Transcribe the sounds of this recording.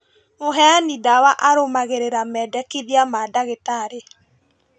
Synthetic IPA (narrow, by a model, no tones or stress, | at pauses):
moɦɛanidawaʔaɾomaɣeɾeɾamɛːdɛkiðiamadaɣetaɾe